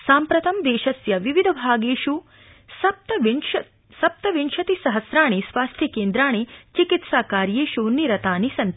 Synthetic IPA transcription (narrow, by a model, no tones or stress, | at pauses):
saːmpɾɐt̪ɐmd̪eːʃɐsjɐʋiʋid̪ʱɐbʱaːɡeːʃu | sɐp̚t̪ɐ | sɐp̚t̪ɐʋinʃɐt̪isɐɦɐsɾaːɳisʋaːst̪ʰjɐkeːnd̪ɾaːɳ̃et͡ʃikit̪saːkaːɾjeːʃuniɾɐt̪aːnisɐn